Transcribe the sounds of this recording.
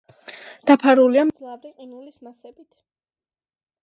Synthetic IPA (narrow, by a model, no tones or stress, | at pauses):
d̪̥apʰaɾuliamd̪zlˠavɾiqʼinulismasɛbit̪ʰ